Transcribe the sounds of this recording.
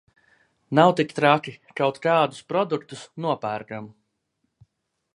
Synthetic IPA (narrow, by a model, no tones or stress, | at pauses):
nawt̪ikt̪ɾakikawt̪kaːd̪u̥spɾɔd̪ukt̪usnuɔpæɾɡam